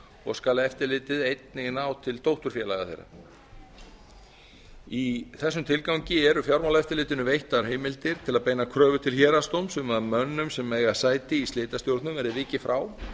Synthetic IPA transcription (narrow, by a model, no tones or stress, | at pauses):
ɔ̰ɣskaːlaɛft̪ɪɾlɪːt̪ɪðejt̪nɪɣnaːwt̪ʰɪlt̪ʰowht̪ʏɾ̥fjɛːlaɣa̰θḛjɾa̰ | iθɛsːʏmt̪ʰɪlkawɲcɪɛɾʏfjawɾmawlaɛft̪ɪɾlɪːt̪ɪnʏvejht̪aɾ̥ɦejmɪlt̪ɪɾ̥t̪ʰɪlaðpeːjnakʰɾœːvʏt̪ʰɪlçɛːɾast̪owmsʏmaðmœnːʏmsɛmːeːjɣasaːjt̪ɪist̪leːt̪ast̪jowɾt̪nʏmɛɾɪvɪːcɪfɾʔaːw